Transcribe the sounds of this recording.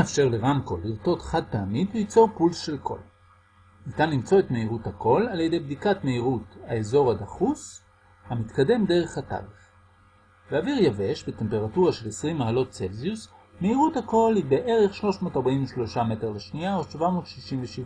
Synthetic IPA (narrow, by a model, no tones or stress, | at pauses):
eafʃe̞ʁleʁamko̞̰liʁto̞tχad̚peamidlit͡so̞ʁpulsʃe̞lkʰo̞̰l | nitanlimt͡so̞e̞tme̞iʁuthako̞laljede̞jbd̪ikatmeiʁutaezo̞ʁhadaχus | hamit̪kade̞mde̞ʁ̞e̞χhata̰lef | beaviʁjave̞ʃbete̞mpe̞ʁatuʁaʃe̞lesʁimːaɦalo̞tt͡selzius | me̞iʁuthako̞libeʔe̞ʁeχʃlo̞ʃmo̞ːtaʁbainveʃlo̞ʃame̞te̞ʁleʃniaodʃvamo̞ːtʃiʃimveʃiva